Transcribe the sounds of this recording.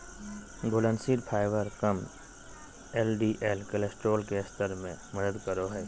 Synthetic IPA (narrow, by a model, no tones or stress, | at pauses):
ɡoːlənsiʈpʰaːɪʋəɾkəm | eːlɖiʔeːlkəlesʈɾoːlkeɪst̪ʰəɾmẽməd̪əd̪kəɾoɦɛː